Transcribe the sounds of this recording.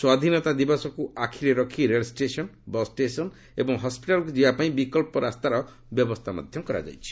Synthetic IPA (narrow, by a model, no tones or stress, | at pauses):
swad̪ʱinɔt̪ad̪ibasɔkuakʰiɾeɾɔkʰiɾelsʈesɔnbɔsʈesɔn | ebɔŋɦɔspiʈalkud͡ʒiapaĩbikɔlpɔɾast̪aɾɔ | bjɔbɔst̪ʰama̰d̪ʱjɔmkɔɾa̰d͡ʒa̰jt͡ʃʰi̥